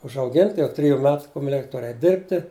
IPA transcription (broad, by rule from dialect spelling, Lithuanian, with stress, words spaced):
ʊʒɐʊˈɡʲɪnʲtʲɪ jɛʊ ˈtʲrʲɪjʊ ˈmʲɛt kʊmʲɛˈlʲɪkʲ ˈtʊr ɛɪtʲ ˈdʲɪrʲpʲtʲɪ